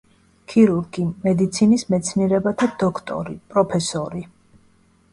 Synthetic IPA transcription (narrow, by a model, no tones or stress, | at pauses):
kʰiɾuɾɡimɛd̪it̪sʰinismɛt̪sʰniɛɾɛbat̪ʰad̪ɔkʰt̪ʼɔ̰ɾḭpʼɾɔpʰɛsɔɾi